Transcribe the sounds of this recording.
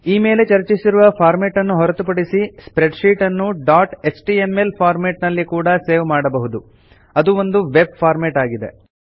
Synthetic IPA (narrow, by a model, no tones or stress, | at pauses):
iːme̞ːle̞t͡ʃɐɾt͡ʃisiɾuʋɐpʰaːɾmeːʈɐnːuɦɔɾɐt̪upɐɽisispɾeɖʃiːʈɐnːuɖaːʈesʈiemːelpʰaːɾmeːʈnɐlːikuːɽɐseːʋmaːɽɐbɐɦud̪u | ɐd̪uo̞nd̪uʋe̞b̚fʰaːɾmeːʈaːɡid̪e̞̰